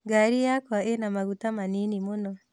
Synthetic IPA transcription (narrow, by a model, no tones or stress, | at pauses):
ɡaɾijakwaenamaɣutamaninimonɔ